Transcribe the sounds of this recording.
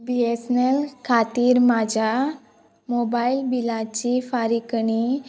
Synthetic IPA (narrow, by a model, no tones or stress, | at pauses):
biesnelkʰat̪iːɾmad͡ʑʱa | mobailbilat͡ɕifaɾikɳi